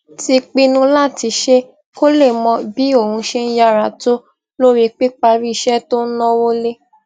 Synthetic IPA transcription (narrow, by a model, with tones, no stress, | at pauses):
ti˧k͡pi˧nũ˧la˦˨ti˧˦ʃe˦ | ko˦le˦˨mɔ̃˧bi˨˦o˦˨hũ˧ʃe˦n̩˦ja˧ɾa˨to˦ | lo˦ɾi˧k͡pe˦k͡pa˧ɾi˦˨ʃɛ˦to˦nɔ̃˦wo˦le˦